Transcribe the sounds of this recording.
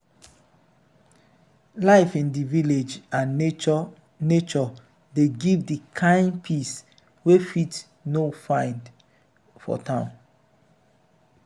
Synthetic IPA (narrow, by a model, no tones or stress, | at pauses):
laɪfĩndiviled͡ʒãnːet͡ʃɔ | net͡ʃɔ | deɡivdikʰãɪ̃npʰis | wefit | nofãɪ̃nd | fɔ̰tʰãʊ̃n